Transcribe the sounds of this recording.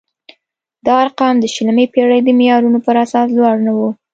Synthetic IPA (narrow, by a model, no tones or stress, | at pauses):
d̪̥ɑːɾqɑmd̪əʃələmepeɽəjd̪əmijɑɾunopəɾasɑslwɑɽnawu